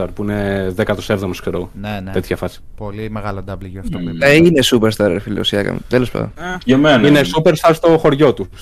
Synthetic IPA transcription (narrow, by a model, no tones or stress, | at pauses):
t̪ɐɾpuineðekɐt̪osevðomeskseɾoɣonene̞t̪ʰçɐfɐsi̥polimeɣɐlod̪ɐvliʝoft̪oine̞supeɾst̪ɐɾɾfilḭosiɐkɐ̰mṵt̪elo̞spɐ̰nðo̰nɐmeninesupeɾst̪ɐɾst̪o̞xo̞ɾʝo̞t̪u